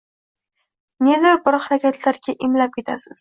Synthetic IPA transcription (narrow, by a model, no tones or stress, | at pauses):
ned̪ɪɾbʊɾχaɾakʲat̪ʰlaɾɡʲaʔɪmlap̚kʲʰe̞t̪ʰasɪz̥